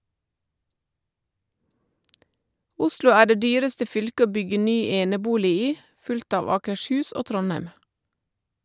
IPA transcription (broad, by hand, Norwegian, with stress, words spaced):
ˈʊslʊ ˈæː ˈɖeː ˈdyːɾəstə ˈfʏlkə ˈoː ˈbʏɡə ˈnyː ˈeːnəˌbuːlɪ ˈiː ˈfʉlkt ˈɑːʋ ɑːkəʃˈhʉːs ˈoː ˈtɾɔˌnæɪm